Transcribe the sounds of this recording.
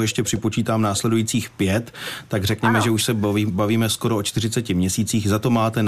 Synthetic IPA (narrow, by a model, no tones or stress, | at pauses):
jɛʃcɛpr̥ɪpo̞t͡ʃiːt̪aːmnaːslɛdujiːt͡siːxpjɛt̪ːaɡrɛkɲɛmɛʒɛuʃsɛbaviːmɛsko̞ɾoʔot͡ʃt̪ɪr̝ɪt͡sɛcɪmɲɛsiːt͡siːxzat̪o̞maːt̪ɛn